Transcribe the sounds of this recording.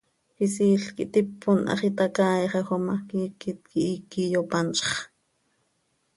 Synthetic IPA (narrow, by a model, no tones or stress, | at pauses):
xis̬iːɬkiʔt̪ipʰːonʔɑ̰χit̪ɑkɑːjɑχexomɑkiːkit̪̚kiʔikːijopɑnt͡ʃχ